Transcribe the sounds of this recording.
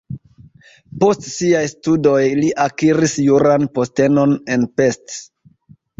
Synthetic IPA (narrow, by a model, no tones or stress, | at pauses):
po̞stsiajstudo̞jliʔakiɾisjuɾanpo̞ste̞no̞ne̞npe̞st